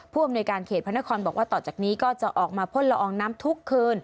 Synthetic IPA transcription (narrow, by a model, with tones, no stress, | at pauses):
pʰuː˥˩ʔa˧mnuː˧jkaː˧nkʰeː˨˩t̪̚pʰna˦˥kʰɔː˧nbɔː˨˩k̚waː˥˩t̪ɔː˨˩t͡ɕaː˨˩k̚niː˦˥kɔː˥˩t͡ɕa˨˩ʔɔː˨˩k̚maː˧pʰo˧˥˩nɾa˧ʔɔː˧ŋnaː˦˥mt̪ʰu˦˥kʰːɯː˧n